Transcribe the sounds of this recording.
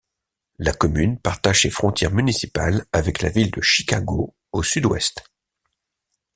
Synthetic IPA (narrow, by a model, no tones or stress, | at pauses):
lakɔmynpaʁt̪aʒsefχɔ̃t̪jɛʁmynisipa̰lavɛkla̰vild̪əʃikʲaɡo | osyd̪wɛ̰st̪